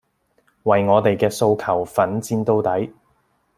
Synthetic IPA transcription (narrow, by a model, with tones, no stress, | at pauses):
wɐ˨jŋɔː˨˧t̪e˨jkɛː˧so˧wkʰɐ˨˩wfɐ˨˥nt͡siː˧nt̪o˥wt̪ɐ˨˥j